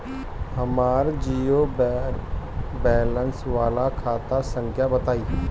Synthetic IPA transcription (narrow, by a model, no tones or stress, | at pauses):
həmaːɾd͡ʒiːob | bɛːlənsʋaːlakʰaːt̪asə̃ŋkʰjabət̪aːiː